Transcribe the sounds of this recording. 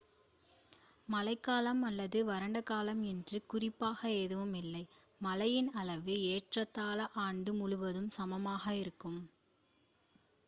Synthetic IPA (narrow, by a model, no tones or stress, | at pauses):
mɐlɐɪkːaːlɐmɐlːɐðɯʋɐɾɐɳɖɐkaːlɐmɛndrɯkʊrɪpːaːɣɐeːðɯʋɯmɪlːɐɪ | mɐlɐjɪnɐlɐʋɯeːʈrɐt̪ːaːlɐʔaːɳɖɯmʊɻʊʋɐðɯmsɐmɐmaːɣɐɪɾɯkːɯm